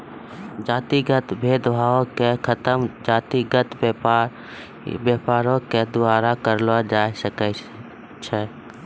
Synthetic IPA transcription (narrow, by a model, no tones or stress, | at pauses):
d͡ʒaːt̪iɡət̪bʱeːd̪bʱaːõkekʰət̪əmd͡ʒaːt̪iɡət̪ | bjapaːɾõked̪ʊaːɾakəɾlad͡ʒaːjsəkɛ | t͡ʃʰɛ